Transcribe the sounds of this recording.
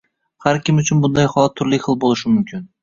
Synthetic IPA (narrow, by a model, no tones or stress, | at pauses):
haɾkʲʰɪmʊt͡ʃʰʊnbʊnd̪ajχɒlˠat̪ʰːʊɾlɪχɨlˠbolˠɪʃɪmʊmkʲʰɪn